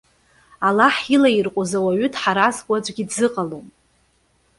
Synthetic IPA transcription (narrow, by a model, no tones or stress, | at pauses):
alaħilairqʼozawaɥʏdʰʼħaɾazkʷʼad͡ʒʷɡʲidzɨqʼalom